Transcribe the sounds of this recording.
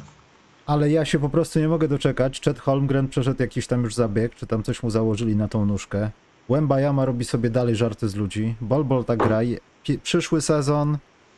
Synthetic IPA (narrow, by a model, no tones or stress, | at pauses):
alɛjaɕɛpɔpɾɔst̪uɲɛmɔɡɛd̪ɔt͡ʂɛkat͡ɕt͡ʂɛt̪xɔlmɡɾɛnt̪̚pʂɛʂɛd̪wjakʲiɕt̪amjuʐzabʲjɛkt͡ʂɘt̪amt̪sɔɕmuzawɔʐɘlʲinat̪ɔ̃w̃nuʂkɛ | ɡ̥wɛmbajamaɾɔbʲisɔbʲjɛd̪alɛjʐaɾt̪ɘzlud͡ʑibɔlbɔlt̪aɡɡɾajɛ | pʲpʂɘʂwɘsɛzɔn